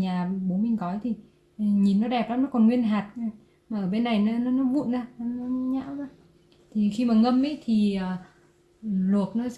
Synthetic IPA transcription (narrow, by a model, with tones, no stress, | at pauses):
ɲaː˨˩ɓo˨˦nmï˨˩ŋ̟kɔ˨˦jt̪ʰi˨˩˨ | ɲi˨˩nːɔ˨˦ɗɛ˨˩p̚ɗɔː˨˦nɔ˨˦kɔ˨˩nŋwi˧ənɦaː˨˩t̚ | maː˨˩ʔəː˧˩ɓe˧nːa˨˩jna˨˦nɔ˨˦nɔ˨˦vṵ˧˨jaː˨˧˦nɔ˨˦ɲa̰ː˧˥wa˨˦ | t̪ʰi˨˩xi˧maː˨˩ŋə˧mʔə˧˦jt̪ʰi˨˩əː˨˩˨ | lə˨˩ək̚nɔ˨˦s